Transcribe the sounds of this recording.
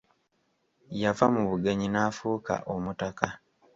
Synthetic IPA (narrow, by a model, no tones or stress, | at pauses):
jafamuβuɡe̞ɲinaːfuːka̰ʔomutaka